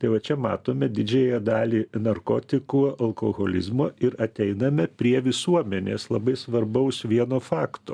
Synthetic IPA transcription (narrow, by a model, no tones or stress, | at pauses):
t̪ɐɪʋɐt͡ʃʲɛmɑ̰ːt̪oːmʲɛd̪ʲɪd͡ʒʲɛjɛd̪ɑːlʲiːnɐrkoːt̪ʲɪkuːɐlˠkoːɣoːlʲɪ̰zmoːɪɾɐt̪ʲɛɪnɐmʲɛpʲɾʲiɛʋʲɪsuɔmʲɛnʲeːslˠɐbɐɪsʋɐɾbɐʊsʋʲiɛnoːfɑːkt̪oː